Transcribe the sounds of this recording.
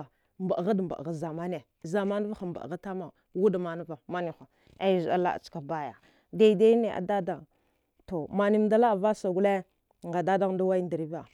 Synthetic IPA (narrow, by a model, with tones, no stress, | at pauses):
mba˨ɣa˦dmba̰˨ʔɣa˨za˨ma˦ne˨ | za˨ma˦n˦va˦xa˨mba̰˨ɣa˦ta˦ma˨ | wu˦da˨ma˨na˦va˨ma˦ni˨xa˨ | a˦˨za˦la̰˦a̰˨t͡ʃka˨ba˦ja˨ | da˦i˨da˦ne˨ʔa̰˨da˦da˨ŋ | to˨ma˨ni˦m˦da˦la˦˨va˦sa˨ɡu˦le˦˨ | ŋɡa˨da˦da˦ŋ˦da˦wa˦ndi˨ɾi˦va˨